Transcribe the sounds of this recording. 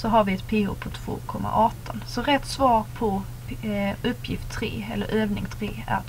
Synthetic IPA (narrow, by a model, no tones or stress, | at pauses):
sɔɦaɾvɪɛt̪pʰeːʊ̰pʰɔt̪ʰvo̰ːkʰɔmːa̰ʔɑːt̪ɔnsɔɾɛt̪ːsvɑːɾpʰɔ | ɵpːjɪft̪ʰːɾeːɛ̰lːə̰ɾʔøːvnɪŋt̪ʰɾeːæ̰